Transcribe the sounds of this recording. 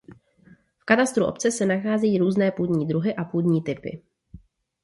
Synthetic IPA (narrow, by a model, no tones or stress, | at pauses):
fkat̪ast̪ɾuʔo̞̰p̚t͡sɛsɛnaxaːzɛjiːɾuːznɛːpuːd̪ɲiːd̪ɾuɦɪʔapuːd̪ɲiːt̪ɪpɪ̰